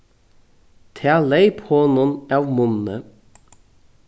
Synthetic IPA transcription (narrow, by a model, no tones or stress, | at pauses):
t̪ʰæːleɪphɔːnɔnɑːʋmʊnnə